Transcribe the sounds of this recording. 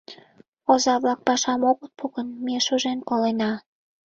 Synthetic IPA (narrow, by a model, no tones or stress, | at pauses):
ozɑβlɑk̚pɑʃɑmoɣət̪̚puɣənmeʃoʒenkolenɑ